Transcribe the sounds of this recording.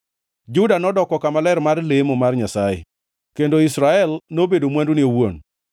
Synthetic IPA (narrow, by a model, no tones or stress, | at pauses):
d͡ʒʊdanɔdɔkɔkamalɛɾmarlemɔmarɲasaḛ | kendoɪsɾaɛlnobedomwandunɪowo̰n